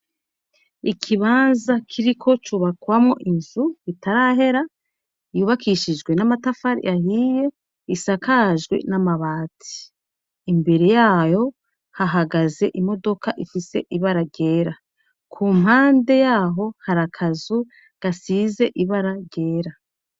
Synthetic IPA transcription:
ikʰiβaːnzakʰiɾikʰo̞t͡ʃuβakwamŋo̰ʔinzuβitaɾaɦe̞ɾa | ijuːβakʰiʃiʒɡwe̞namatafaɾḭʔahiːje̞ | isakʰaʒɡwḛnamaβaːtʰi̥ː | mbe̞ɾe̞jaːjo̞ | haɦaɡaze̞ʔimo̞do̞kaʔifise̞̰ʔiβaɾaɾɟe̞ːɾa | kʰuːmɦaːnde̞jaːɦo̞haɾakʰazu | ɡ̥asiːze̞ʔiβaɾaɟe̞ːɾa

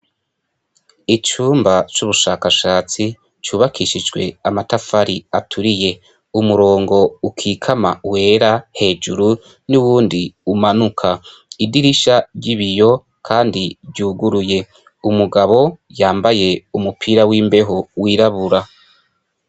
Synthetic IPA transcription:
it͡ʃuːmbat͡ʃuβuʃaːkaʃaːt͡si | t͡ʃuːβakʰiʃid͡ʒɡwe̞amatafaɾiatʰuɾije̞ | umuɾo̞ːŋɡo̞ukʰiːkʰamawe̞ːɾahe̞ːd͡ʒuɾu | nuwuːndiumanukʰaidiɾiʃaɾɟiβijo̞ | kʰaːndibɟuːɡuɾuje̞ | umuɡaβo̞jaːmbaje̞umupʰiːɾawiːmbe̞ɦowiːɾaβuɾa

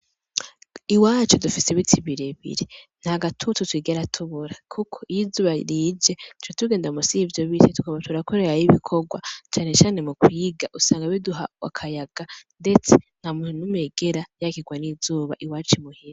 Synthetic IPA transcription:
iwaːt͡ʃodufiseβitʰiβiɾeβḭɾen̥haɡatʰututwiːɡeɾatʰuβuɾakʰukʰoijizuːβaɾiːd͡ʒe̞tʰuɾitʰuɡe̞ːndamusivjo̞βitʰetukaβatʰuɾakoɾeɾajiβikʰoɡwa̰t͡ʃaːne̞t͡ʃaːne̞mukwiːɡaʔusaːŋɡaβiduɦawa̰kʰajaɡ̥ande̞t͡se̥n̥hamuːnunumeɡ̥eɾajakiɡwaniːzuːβa̰ʔiwaːt͡ʃimuhiɾa

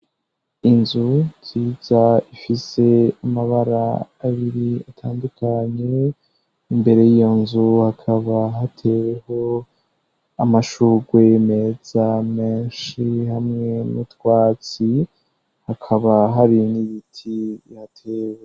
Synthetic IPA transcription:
inzuciːz̥aifise̞amaβaɾaːβiɾiatʰaːndukʰaɲe̞ | imbe̞ɾe̞jijo̞nzuhakʰaβaɦatʰe̞we̞ho̞ | amaʃuːɡwe̞me̞z̥ame̞ːnʃihamŋe̞nutwaːt͡si | hakʰaβaɦaɾiniβitʰijatʰeːwe

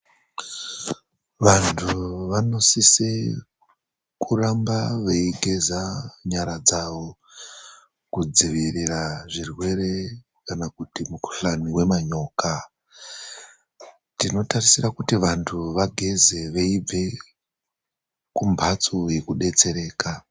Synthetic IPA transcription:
ʋantʰuʋano̞sise | kurambaʋeiɡʱe̞zaɲaɾad͡zaʋo̞ | kud͡ziʋiriraʐirwe̞ɾe̞ | kanakutimuku̥ɬaniwe̞maɲo̞ːka | tino̞tarisirakutiʋantʰuʋaɡʱe̞ze̞ʋeib͡ve̞ | kumbʱat͡soje̞kuɗe̞t͡se̞ɾe̞ːka

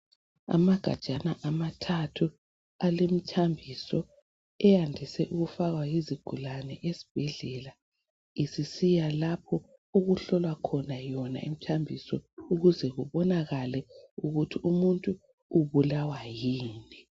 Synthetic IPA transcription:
a̰maɡ̥ʱa̰̥ʒ̥ʱʼanaʔamatʰatʰu | alemit͡ʃʰambʱisɔ | ɛjandʱisɛʔuɣufaɣwajiziɡ̥ʱulanɛʔesi̥b̥ʱɛɮɛla | isisijalap̚ʰɔ | oɣuɬɔlwakʰɔnajɔna̰im̩t͡ʃʰambʱisɔuɣuzɛɣuβɔnaɣalɛuɣutʰiumuntʼuː | βulawajiːni

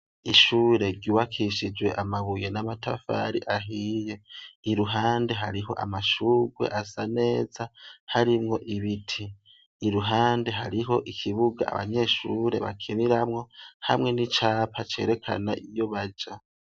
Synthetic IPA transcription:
iʃuːɾe̞ɾɟuːβakʰiʃid͡ʒwe̞ʔamaβuje̞namata̰fa̰ɾiʔaɦiːje̞iɾuɦaːnde̞ɦaɾiɦo̞̰ʔa̰maʃuːɡwe̞̰ʔasane̞ːzahaɾimŋo̞ʔiβitʰiː | ɾuɦaːnde̞ɦaɾiɦo̞ʔikʰiβuɡa̰a̰βa̰ɲe̞ʃuːɾe̞̰βa̰kʰiniɾamŋo̞ha̰mŋe̞nit͡ʃaːpʰat͡ʃe̞̰ɾe̞kʰa̰na̰ʔijo̞βad͡ʒa

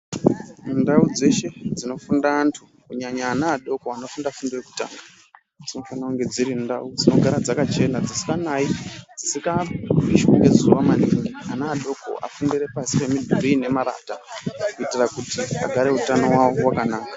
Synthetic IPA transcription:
mundaud͡ze̞ʃe̞d͡zino̞fundaːntʰu | kuɲaɲaːnaːɗo̞koano̞fundafundireku̥ta̰ːna | d͡zino̞fanakuŋɡe̞d͡ziɾinda̰ud͡zino̞ɡʱaɾad͡zakat͡ʃe̞nad͡zisi̥kanaid͡zisikaiʃwaɡe̞zuʋamaniŋɡianaːɗo̞ko̞̰ʔa̰fundire̞pasi̥pe̞midʱuɾine̞maɾa̰ːtakuitirakutia̰ɡʱaɾe̞utanowawowakanaːkḁ

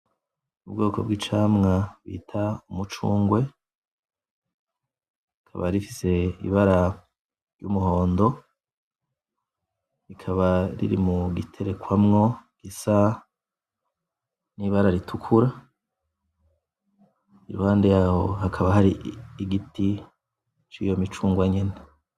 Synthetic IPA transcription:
ubɡoːko̞̰bɡiːt͡ʃaːmŋaβwḭːtʰaumut͡ʃuːŋɡwe̞ | ikʰa̰βa̰ɾifi̥se̞ḭβaɾa | ɾjumuho̞ːndo̞ | ɾikʰaβaɾḭɾḭmuɡitʰe̞ɾe̞kwamŋo̞ɡ̥isa | niːβaɾaɾitʰukʰuɾa | iɾṵhaːndejaho̞hakʰaβahaɾiːɡiti | t͡ʃijo̞mit͡ʃuːŋɡwaɲene

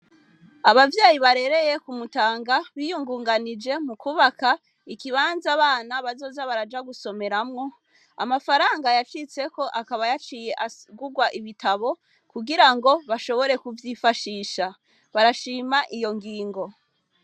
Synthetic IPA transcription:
aβavjaːjiβaɾe̞ɾe̞je̞kumutaːŋɡaβijuŋɡuːŋɡanid͡ʒe̞mukuβaka | ikiβaːnzaβaːnaβazo̞ːzaβaɾad͡ʒaɡuso̞me̞ɾamŋo̞ | a̰mafaɾaːŋɡajat͡ʃit͡se̞ko̞ʔakaβajat͡ʃije̞ʔaɡuɡwaʔiβitaβo̞ | kuɡiɾaŋɡo̞βaʃo̞βo̞ɾe̞kuvjifaʃiːʃa | βaɾaʃiːmaʔijo̞ŋɡiːŋɡo̞

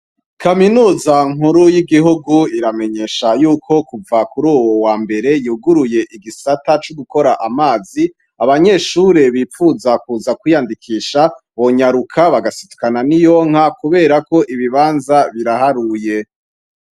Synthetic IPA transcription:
kʰaminuːzaŋ̥uɾujiɡiɦuɡuiɾame̞ɲe̞ʃajuːkʰo̞kuvakuɾuːwowaːmbe̞ɾe̞juːɡuɾuje̞ʔiɡisatat͡ʃuɡuko̞ɾaʔamaːzi | aβaɲe̞ʃuːɾe̞βiːfuzakuːzakwijandikʰiːʃa | βo̞ɲaɾukʰaβaɡasitu̥kananijo̞ŋ̥hakuβe̞ːɾako̞ʔiβiβaːnzaβiɾahaɾuje̞

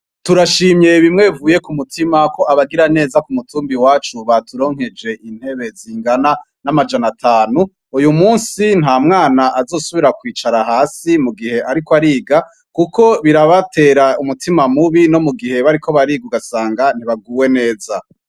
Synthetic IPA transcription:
tuɾaʃiːmɲe̞βimŋe̞vuːje̞kumutʰimako̞ʔaβaɡiɾane̞ːzakumutʰuːmbiwaːt͡ʃuβatuɾo̞ːŋ̥e̞d͡ʒe̞ʔin̥he̞βe̞ziːŋɡana | namad͡ʒanatʰaːnu | ujumuːnsin̥ɦaːmŋaːnaʔazo̞ːsuβiɾakwiːt͡ʃaɾaɦaːsimuɡihe̞ʔaɾikoaɾiːɡa | kukʰo̞βiɾaβate̞ːɾaumutʰimamuβino̞muɡihe̞βaɾikʰo̞βaɾiːɡuɡasaːŋɡan̥iβaɡuːwe̞ne̞ːza

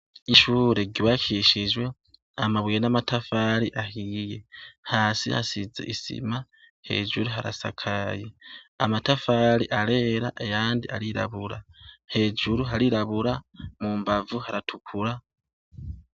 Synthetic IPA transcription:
iʃuːɾe̞ɟiβakʰiʃiʒwe̞ | amaβijenamatafaɾiʔahiːje̞haːsḭha̰sizḛʔisḭma | he̞̰ːd͡ʒuɾuɦaɾa̰sa̰kʰaje̞amatafaːɾiʔaɾe̞ːɾaʔejaːndiʔaɾiɾa̰βuɾahe̞ːd͡ʒuɾuɦaɾiɾaβuɾamuːmbavuhaɾatʰukʰuɾa

